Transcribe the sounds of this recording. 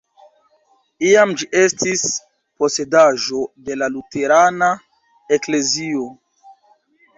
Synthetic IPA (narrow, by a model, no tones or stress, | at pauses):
iamd͡ʒiʔe̞stʰis | po̞se̞daʒo̞de̞lalute̞ɾana | ekle̞zio̞